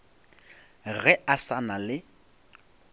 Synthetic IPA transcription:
ɣɛasanalɪ

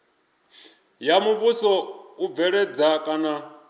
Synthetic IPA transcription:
jamuβusɔub̪vɛɺɛd͡zakʼana

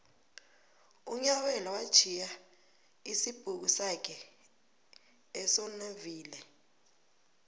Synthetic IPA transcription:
uɲawɛlawad̥t͡ʃʰija | isib̥ʱuk̬usak̬ʰʼɛ | ɛsɔneviːlɛ

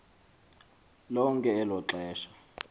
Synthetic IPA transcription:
lɔŋkʼɛːlɔǁɛːʃḁ

